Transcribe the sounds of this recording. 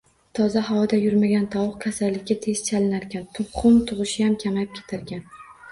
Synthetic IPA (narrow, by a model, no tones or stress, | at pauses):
t̪ʰɒzaɦawɒd̪ajʊɾmaɡʲant̪ʰɒwʊqkʲʰasalːɪkʲːat̪ʰe̞z̥t͡ʃʰalɪnaɾkʲant̪ʰʊpχʊmt̪ʰʊʁɨʃɪjamkʲʰamajɪp̚kʲʰe̥t̪ʰaɾɡʲan